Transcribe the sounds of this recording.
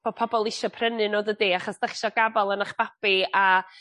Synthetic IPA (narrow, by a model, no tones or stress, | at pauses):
b̥opʰɔbɔlˠɪʃɔpʰrənɨnoːdədiːaχɔsd̥ɛχʃɔɡabalˠənaχb̥apia